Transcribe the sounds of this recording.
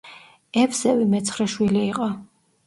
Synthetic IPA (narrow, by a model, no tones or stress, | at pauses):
ɛpʰsɛvimɛt̪sʰχɾɛʃwiliːqʼɔ